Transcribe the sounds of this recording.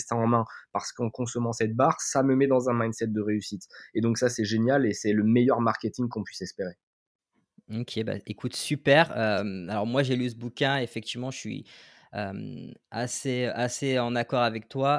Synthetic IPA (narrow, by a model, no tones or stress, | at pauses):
st̪ɛ̃ɑ̃mɛ̃paʁsə̥kɑ̃kɔ̃sɔmɑ̃sɛt̪̚baːʁsaməmɛd̪ɑ̃zɛ̃majnsɛt̪̚d̪əʁeysit̪ed̪ɔ̃ksasɛʒenjalesɛləmejœʁmaʁkʲet̪ĩŋkɔ̃pɥisɛspeʁe | okʲʰeba̰ekʰut̪sypɛʁømalɔʁmwaʒelysəbukʲɛ̃efɛk̚t̪ivmɑ̃ʃəʃɥḭ | ø̰ma̰seøʔaseɑ̃nakɔʁavɛk̚t̪wa